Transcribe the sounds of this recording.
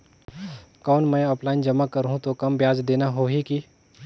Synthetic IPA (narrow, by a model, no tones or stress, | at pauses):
kɔːnmɛ̃ɔːpʰlaːɪnd͡ʒɐmakɐɾɦũt̪okɐmbjaːd͡ʒd̪eːnaɦoɦiki